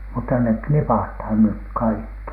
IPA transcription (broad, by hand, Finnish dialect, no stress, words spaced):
mutːɑ nek knipɑthɑn nyk kɑikːi